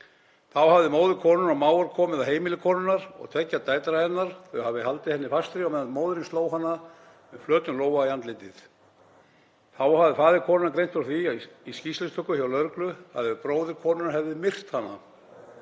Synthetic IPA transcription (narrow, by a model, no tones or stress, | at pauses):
θawhavðɪmoːwðɪkʰɔːnʏnawmaːwaɾkʰɔːmɪðaɦeːjmɪlɪkʰɔːnʏnːaɾ̥ɔ̰ɣt̪ʰvɛcːat̪aːjt̪ɾaɛnːaɾ̥θœɥhavðɪhalt̪ɪhɛnːɪfast̪ɾiawmɛðanmoːwðɪɾɪnst̪loːwɦanːa | mɛflœːt̪nʏnloːwvaiant̪lɪt̪ɪθ | θawhavðɪfaːðɪkʰɔːnʏnakɾejnt̪fɾθiaiscislɪst̪ʏhkːʏçawlœɾklʏha̰ðʏpɾoːwðɪɾkʰɔːnʏnahɛvðɪmɪr̥t̪hanːa̰